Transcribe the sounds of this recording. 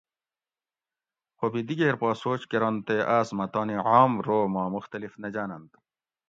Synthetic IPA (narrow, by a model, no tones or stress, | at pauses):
xobid̪iɡeːɾpɑːsoːt͡ɕkeɾɐnt̪eʔaːsmɐt̪ɑːniʕaːmɾoːmɑːmuxt̪ɐlifnɐd͡ʑaːnɐnt̪